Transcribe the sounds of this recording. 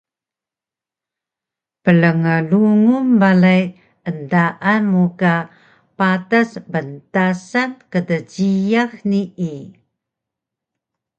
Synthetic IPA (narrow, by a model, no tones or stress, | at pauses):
pələŋəluŋumbalaj | əndaʔanmuka | patasbəntasankədəɟijaxnii